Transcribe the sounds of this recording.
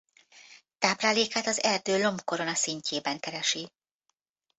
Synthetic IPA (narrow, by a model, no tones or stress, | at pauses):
t̪aːblaːleːkaːt̪ɒzɛrd̪øːlo̞mbko̞ɾo̞nɒsiɲcʰeːbɛŋkɛɾɛʃi